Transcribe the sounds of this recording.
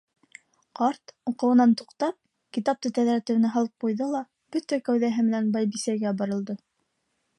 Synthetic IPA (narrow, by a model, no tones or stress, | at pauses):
qɑɾt̪uqɤ̆wɤ̆nɑnt̪uqt̪ɑp̚ | kit̪ɑp̚t̪ɤt̪æðɾæt̪ɘ̆wnɘɦɑlˠɤp̚qujðɤlˠɑ | b̥ɵt̪ækæwðæɦɘmɘ̆nænbɑjbisæɾɡæbɑɾɤ̆lˠd̪ɤ